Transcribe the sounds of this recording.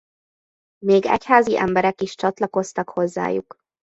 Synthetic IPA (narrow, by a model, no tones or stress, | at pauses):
meːɡɛ̰chaːziʔɛ̰mbɛɾɛkiʃt͡ʃɒt̪lɒko̞st̪ɒkho̞zːa̰ːjṵk